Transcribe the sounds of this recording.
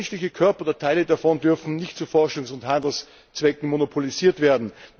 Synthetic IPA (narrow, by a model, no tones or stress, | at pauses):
nʃlɪçəkʰœɐpɐdɐtʰaɪlədafɔndʏɐfn̩nɪçtt͡sufɔɐʃʊŋsʊnthandl̩s | t͡sv̥ɛkŋ̩monopʰoliziːɐtv̥eːɐdn̩